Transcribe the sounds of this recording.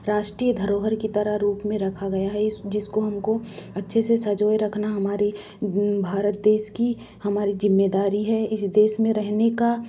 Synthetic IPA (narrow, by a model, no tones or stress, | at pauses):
ɾaːʃʈɾijəd̪ʱɐɾoːɦəɾkit̪ɐɾaɾuːpmẽɾɐkʰaɡɐjaɦɛd͡ʒɪskoɦɐmkoɐtːʃʰesesɐd͡ʒoːjɾɐkʰnaɦɐmaːɾi | bʱaːɾət̪̚d̪eːʃki | hɐmaːɾizɪmːed̪aːɾiɦɛɪsd̪eːʃmẽɾɛɦneka